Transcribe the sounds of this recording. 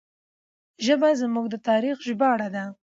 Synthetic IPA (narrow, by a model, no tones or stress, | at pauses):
ʒəbazmuɡd̪ət̪ɑɾixʒbɑɽad̪a